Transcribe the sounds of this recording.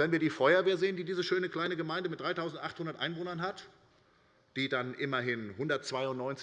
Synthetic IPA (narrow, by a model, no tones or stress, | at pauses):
ɛnviːɐdiːfɔʏɐveːɐzeːəndiːdiːzəʃøːnəkl̥aɪnəɡəmaɪndəmɪt̚d̥ʁaɪtʰaʊzn̩tʔaχthʊndɐtʔaɪnvoːnɐnɦat | d̥iːdanʔɪmɐɦɪnhʊndɐtt͡sv̥aɪʊnnɔʏnt͡sɪ